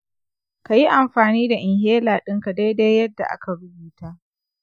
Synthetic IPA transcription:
ka˨ji˦ʔa˨mɸaː˨niː˦da˨ʔɪ˨ŋheː˦laː˨ɗɪ˦ŋka˨de˦jdeː˦jjɐ˦dːa˨ʔa̰˦ka˨bʊ˦biː˨taː˦ʔ

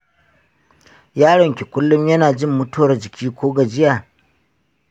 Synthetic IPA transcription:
jaː˦ɽɔ˨ŋkʲe˨kʷʊ˦lːʊ˦mjɐ˦naː˨d͡ʒɪ˦mːʊ˦tu˦ɐ˨rd͡ʒɪ˨kʲʰiː˦kʷoː˦ɡa˨d͡ʒɪ˦jaː˨

